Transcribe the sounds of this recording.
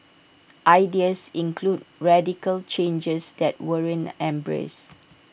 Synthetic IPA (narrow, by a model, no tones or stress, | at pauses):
ʔaɪdiəsĩnkʰlud̚ɹɛdikəlt͡ʃẽnd͡ʒəsdɛt̚wəɹə̃nɛ̃mbɹḛs